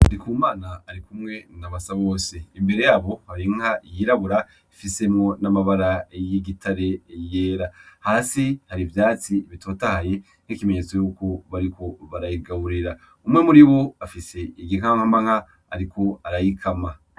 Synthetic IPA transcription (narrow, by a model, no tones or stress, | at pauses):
aɾikuːmaːnaːɾikumŋe̞naβasaβo̞ːse̞imbe̞ɾe̞jaːβo̞haβɾiŋ̥hajiɾaβuɾa | ifise̞mŋo̞namaβaɾajiɡitʰaɾe̞je̞ːɾahaːsihaɾivjaːt͡siβitʰoːtahaje̞ | n̥ikime̞ɲe̞t͡so̞jukoβaɾiko̞βaɾajiɡaβuɾiɾa | umŋe̞muɾiβoafise̞iɡiŋ̥amŋhamaŋha | aɾikʰo̞aɾajikʰama